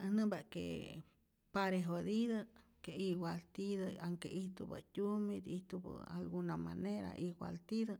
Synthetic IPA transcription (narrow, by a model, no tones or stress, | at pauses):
hnɨmbakḛ | paɾeɦod̪iðəkeiɡʷalt̪iðəaŋkeʔiht̪ubə̰t̪ʲumid̪iht̪ubə̰a̰lɡunamaneɾa̰ʔiɡwa̰lt̪iðə